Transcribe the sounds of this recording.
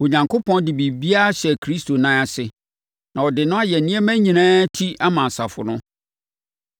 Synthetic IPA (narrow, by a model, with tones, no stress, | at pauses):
o˨ɲã˨ŋkʰo˦pʰɔ̃˦ndɪ˨bi˨bi˦a˦a˦ɕɛ˨kʰɾi˦stʰo˨nã˦a˨sɪ˨ | nã˨ɔ˨dɪ˨nʊ̃˦a˦jɛ˨nĩ˦ɛ˦mæ̃˦ɲĩ˨nãː˦tʰi˦a˦mã˨n˨sa˨fʊ̰˨nʊ̃˦